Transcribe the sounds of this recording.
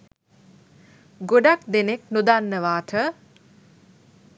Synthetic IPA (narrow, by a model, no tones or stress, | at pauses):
ɡoɖak̚d̪eneknud̪anːəʋaːt̪ʰə